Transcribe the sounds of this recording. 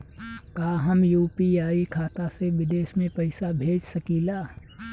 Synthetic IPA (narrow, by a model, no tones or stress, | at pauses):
kaːɦəmjuːpiaːikʰaːt̪aseʋɪd̪eːʃmẽpəɪsabʱeːd͡ʒsəkilaː